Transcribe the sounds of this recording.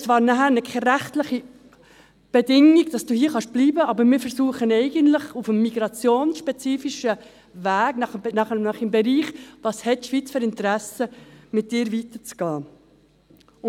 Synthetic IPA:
vɑːɾnæɦæːɾnɛkʰɛɾæχtləχi | b̥ɛdɪŋiɡd̥ɑsd̥uːhiːəχɑʃb̥liːbəɑbəɾmɪːɾfɛɾsuːəχənɛɪɡənt̪lɪχufəmːiɡ̥ɾɑt͡sjoːnsʃpɛt͡siːfiʃə | væːɡnɑχnɑχnɑχɪmbɛɾiːχvɑshɛtːʃʋiːt͡sføɾɪnt̪əɾæsəmɪt̚d̥ɪːɾvit̪əɾt͡sɡ̥ɑː

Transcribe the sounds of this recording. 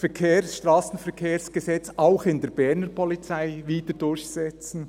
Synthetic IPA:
fɛkʰeːɾsʃtʁaːsn̩fɛɾkʰeːɾsɡ̥ɛzɛt͡saʊxɪndeːɾbɛɾnəɾpʰɔlit͡saɪviːd̥ədʊɾçsɛt͡sn̩

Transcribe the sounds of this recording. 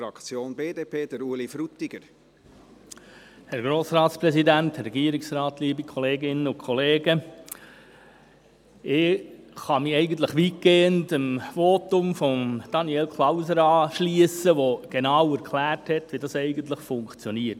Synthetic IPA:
fɾɑkt͡sjoːnbeːdeːpʰeːd̥əɾuəlifɾut̪iɡ̥əɾ | hɛɾɡ̥ɾoːsɾɑːt̪sprɛsidænthɛrɛɡiəɾɪksɾɑːtliːbikʰɔleːɡɪnəʊnkʰɔleːɡə | ɪχɑmiɛɪɡən̩t̪̬ləχʋit̚keːəntəmʋoːtʊmfɔmd̥ɑniɛlkʰlˠɑʊsəɾɑːʃliəsəʋoɡ̥enɑːwæɾkʰlæːrthɛtʋidɑsɛɪɡən̩tləχfʊŋkt͡sjɔniət

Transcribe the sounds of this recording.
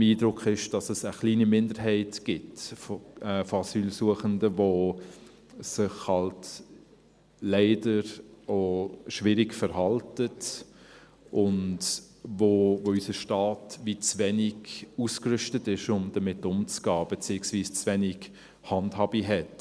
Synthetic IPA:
iːdɾʊkχɪʃd̥ɑsəsəχliːnimɪndəɾɦɛɪtɡ̥ɪtfɛfoɑsyːlsuəχəndəvo | sɪχhɑlt | lɛɪdəɾoʃʋɪɾɪɡfəɾɦɑltət | ʔʊnt | vovoysəʃtɑːtvit͡svɛnɪɡuskɾʏʃtətɪʃʊmd̥əmɪtːʊmt͡sɡ̥ɑːb̥ɛt͡siəksviːst͡svɛnɪɡ̥ | hɑndhɑːbiɦɛt

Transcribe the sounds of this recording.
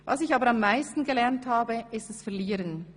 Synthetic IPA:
vɑsɪçɑːbəɾɑmːaɪstn̩ɡelɛʁnthaːbəɪstɛsfɛɐliːɾən

